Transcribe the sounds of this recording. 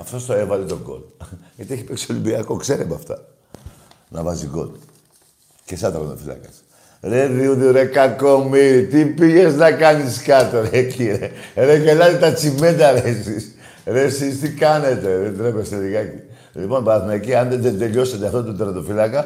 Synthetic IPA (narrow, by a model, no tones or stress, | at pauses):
ɐft̪o̞st̪oe̞vɐlet̪o̞ɡo̞̰t̪ɐt̪ieçi̥peksio̞limbiɐko̞kse̞ɾebɐ̰ft̪ɐ̰ | nɐ̰vɐziɡo̞̰t̪ | cesɐt̪ɾɐɐ̰nd̪ofilɐ̰kɐs | ɾeðiuðiuɾekako̞miɾit̪ipiʝeznɐkɐniskɐt̪oɾeciɾeɾekelɐzit̪ɐt͡simend̪ɐɾesis | ɾesist̪ikɐne̞t̪e̞ðend̪ɾepest̪eliɣɐi | lipo̞nbɐθmɐːciɐnðed̪end̪e̞ʎo̞set̪eft̪ot̪od̪ɾɐnd̪ofilɐkɐ